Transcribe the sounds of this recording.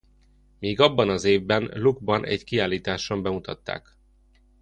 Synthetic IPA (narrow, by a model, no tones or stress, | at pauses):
miːɡɒbːɒnɒzeːvbɛnluɡbɒnʔɛ̰ɟkiaːliːt̪aːʃombɛmut̪ɒ̰t̪ːa̰ːk